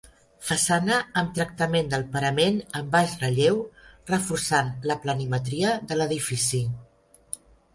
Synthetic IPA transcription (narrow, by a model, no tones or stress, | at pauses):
fəsanəːmt̪ɾək̚t̪əmend̪əlˠpəɾəmenəmbaʃrəʎewrəfuɾsanləplənimət̪ɾiəðələðifisi